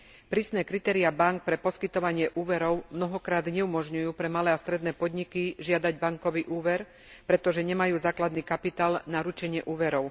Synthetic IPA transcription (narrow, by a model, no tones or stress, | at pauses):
pɾiːsnɛːkɾit̪ɛːɾiabaŋk̚pɾɛpɔskit̪ɔʋaɲɪɛʔuːʋɛɾɔʊmnɔɦɔkɾaːd̪ɲɛumɔʒɲujuːpɾɛmalɛːast̪ɾɛd̪nɛːpɔd̪ɲikiʒɪad̪aɟbaŋkɔʋiʔuːʋɛɾ | pɾɛt̪ɔʒɛɲɛmajuːzaːklad̪niːkapit̪aːlnaɾut͡ʃɛɲɪɛʔuːʋɛɾɔʊ